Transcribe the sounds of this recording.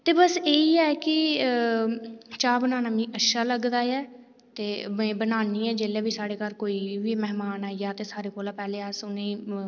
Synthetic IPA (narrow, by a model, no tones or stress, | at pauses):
t̪eːbəseːiːɛːkɪ | t͡ʃaːbənaːnaːmĩːʔəʃaːləɡd̪aːjɛː | t̪eːmẽːbənaːniːɛːd͡ʒeːlɛːʋiːsaːɽeːkəɾkoːiːʋiːmɛɦmaːnɛːjaːt̪eːsaːɾeːkoːlaːpɛːleːəsʊnẽː